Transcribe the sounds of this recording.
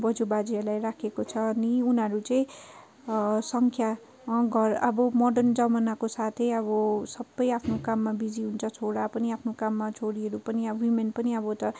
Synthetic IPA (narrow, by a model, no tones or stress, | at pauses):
bʌd͡zubad͡ziʌrlajrakʰekot͡sʰʌːniunɦʌɾut͡saĩ | sʌŋkʰja | ɡʱʌrʌbʌmʌɖʌrnd͡zʌmanakosat̪ʰʌjʌβʌsʌbːʌjapʰnokamːabid͡ziɦunt͡sʰʌt͡sʰoɽapʌniapʰnokamːat͡sʰoɽiʌɾupʌniʌwimenpʌniʌbʌt̪ʌ